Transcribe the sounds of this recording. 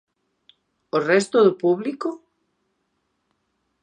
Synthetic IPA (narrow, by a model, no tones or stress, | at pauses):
orɛst̪oðʊpuβliko